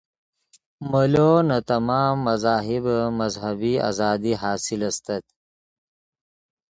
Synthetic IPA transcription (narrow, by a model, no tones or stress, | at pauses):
məlonat̪amɑːmːazɑːɦɪbmazɦɐbia̰zɑːd̪iɦɑːsilast̪at̪